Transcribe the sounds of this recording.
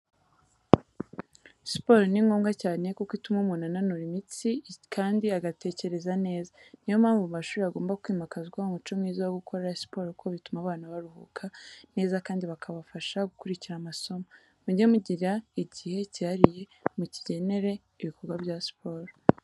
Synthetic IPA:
spo̞ːɾniŋɡoːmɡacaːne̞ko̞kwitumumunananuɾimit͡sikʰaːndiaɡate̞ce̞ɾe̞zane̞ːzanijomhaːɱvumaʃuːɾiaɡo̞ːmbakwiːmakazɡwaomut͡ʃo̞mŋiːzajoɡukʰo̞ɾaɾasi̥po̞ɾkʰo̞βitumaβaːnaβaɾuhṵkʰane̞ːzakaːndiβakʰaβafaʃaɡukuɾiciɾamaso̞ma | muɟemuɟiɾaiɟihe̞cihaɾije̞muciɟe̞ne̞ɾe̞ | iβiko̞ɾɡwabjaːsi̥pʰoɾ

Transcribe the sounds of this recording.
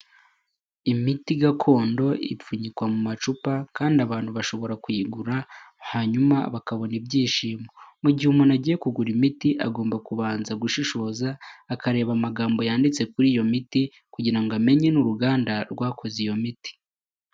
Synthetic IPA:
imitiɡakʰo̞ːndo̞ʔḭp͡fuɲikwamumat͡ʃupakaːndiaβaːn̥huβaʃo̞βo̞ɾakwiɡuɾa | haːɲumaβakaβo̞nibɟiːʃiːmo̞muɟihumunaɟiːje̞kuɡuɾimitiʔaɡo̞ːmbakuβaːnzaɡuʃiʃo̞ːzaːkaɾe̞ːβamaɡaːmbo̞jaːndit͡se̞kuɾiːjo̞miti | kuɟiɾaŋɡoame̞ɲe̞nuɾuɡaːndaɾɡwaːkʰo̞zijo̞miti̥

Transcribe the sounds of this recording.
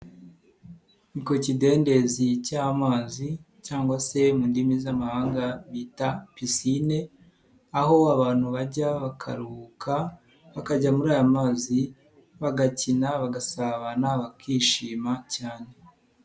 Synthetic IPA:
iko̞cide̞ːnde̞zicamaːzi | caːŋɡwase̞muːndimizamahaːŋɡaβiːtapisine̞ | aɦo̞aβaːnhuβaɟaβakʰa̰ɾukʰa | βakaɟamuɾaːjamaːzi | βaɡacinaβaɡasaβanaβakʰiːʃiːmacaːne̞

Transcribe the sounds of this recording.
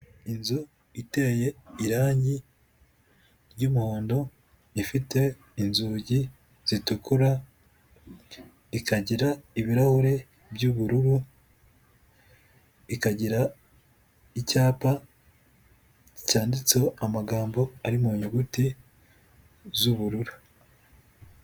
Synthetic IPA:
inzu | ite̞ːje̞iɾaːɲi | ɾɟuːmuho̞ːndo̞ | ifite̞ | inzuːɟi | z̥itukuɾa | ikaɟiɾaiβiɾahuɾe̞ | bɟuβuɾuɾu | ikaɟiɾa | icaːpa | icaːndit͡soamaɡaːmbo̞aɾimuɲuɡuti | zuβuɾuɾu

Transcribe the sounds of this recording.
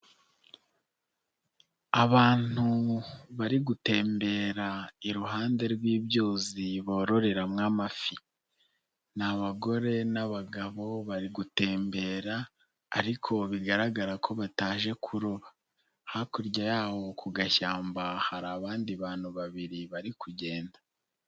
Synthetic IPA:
aβaːn̥uβaɾiɡute̞ːmbe̞ːɾaiɾuɦaːnde̞ɾɡwiːβjoːziβo̞ːɾo̞ɾe̞ɾamŋaːmafi | naβaɡo̞ɾe̞naβaɡaβo̞βaɾiɡute̞ːmbe̞ːɾa̰ː | ɾikʰo̞βiɡaɾaɡaɾakʰo̞βataːʒe̞kʰuɾoβa | hakuɾɟajaːβo̞kuɡaçaːmbahaɾaːβaːndiβaːn̥huβaβiɾiβaɾikʰuɟe̞ːnda

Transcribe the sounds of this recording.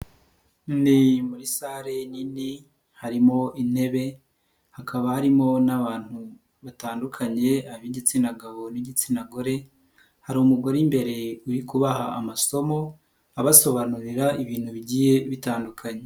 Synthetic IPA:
nimuɾisaɾe̞nini | haɾimo̞ʔine̞βe̞ | hakʰaβahaɾimo̞naβaːn̥hu | βataːndukʰaɲe̞aβiɟit͡sinaɡaβo̞niɟit͡sinaɡo̞ɾe̞ | haɾumuɡoɾimbe̞ɾe̞uɾikuβaɦaːmaso̞mo̞ | aβaso̞βanuɾiɾaiβiːn̥huβiɟiːje̞βitaːndukʰaɲe̞

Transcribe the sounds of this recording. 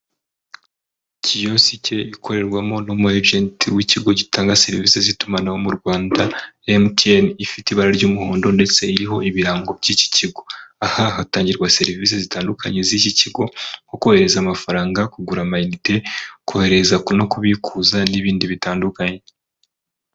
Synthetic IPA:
cijo̞sice̞ikʰo̞ɾe̞ɾɡwamo̞nomueɾd͡ʒentʰiwiciɡo̞ɟitaːŋɡase̞ɾiviːse̞zitumanawo̞muɾɡwaːndaemtienifitiβaɾaɾɟuːmuho̞ːndo̞nde̞t͡se̞iɾiɦo̞iβiɾaːŋɡo̞b̚ɟiːci̥ciɡo̞ahaɦataːɲɟiɾɡwase̞ɾiviːs̬ezitaːndukʰaɲe̞ziciciɡo̞ŋko̞kuhe̞ɾe̞zaːmafaɾaːŋɡakuɡuɾamajnite̞kohe̞ɾe̞zakono̞kuβikʰuːzaniβiːndiβitaːndukaɲe̞

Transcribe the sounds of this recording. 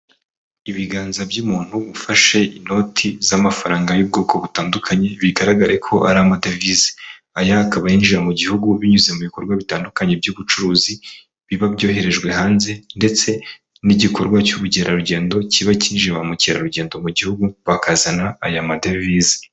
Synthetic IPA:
iβiɡaːnzabjumuːn̥huβufaʃe̞ino̞tʰizamafaɾaːŋɡajub̚ɡo̞ːkʰo̞βutaːndukʰaɲe̞βiɡaɾaɡaɾe̞kʰo̞ʔaɾamadevize̥ | ajaːkaβajinʒiɾamuɟihuɡuβiɲuzemuβiko̞ɾɡwaβitaːndukaɲe̞bɟuβut͡ʃuɾuːzi | βiβabjo̞ːɦe̞ɾe̞ʒɡwe̞ɦaːnze̞nde̞t͡se̞ | niɟikʰo̞ɾɡwacuɾuɟeɾaɾuɟe̞ːndo̞ciβaciːnʒiβamuceɾa̰ɾuɟe̞ːndo̞muɟihuɡuβakʰazanaːjamadevizi̥

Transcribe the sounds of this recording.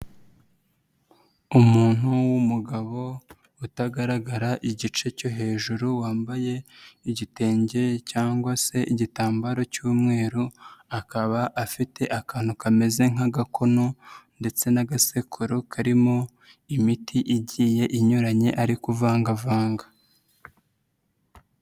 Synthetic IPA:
umuːn̥huwumuɡaβo̞ | utaɡaɾaɡaɾaʔiɟit͡ʃe̞co̞ɦe̞ːʒuɾuwaːmbaje̞iɟite̞ːɲɟe̞caːŋɡwase̞iɟitaːmbaɾo̞cuːmŋe̞ːɾuakaβaʔafitʰe̞ʔakaːn̥ukame̞ze̞ŋaɡakʰo̞no̞nde̞t͡se̞naɡasekʰuɾokʰaɾimo̞ | imitʰiʔiɟiːje̞ʔiɲuɾaɲe̞ʔaɾikuvaːŋɡavaːŋɡa

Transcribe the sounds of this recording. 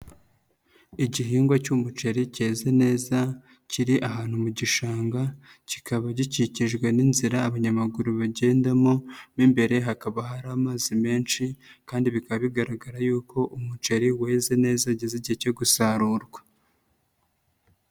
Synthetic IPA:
iɟiɦiːŋɡwacumut͡ʃeɾice̞ːzene̞ːza | ciɾiʔaɦaːn̥humuɟiʃaːŋɡa | ci̥kʰaβaɟiciciʒɡwe̞ninziɾaːβaɲamaɡuɾuβaɟe̞ːndamonimbe̞ɾe̞ɦakaβaɦaɾaːmaːzime̞ːnt͡ʃikaːndiβikaβaβiɡaɾaɡaɾajuːko̞ʔumut͡ʃeɾiwe̞ːze̞ne̞ːzaɟeziɟiecoɡusaɾuːɾɡwḁ

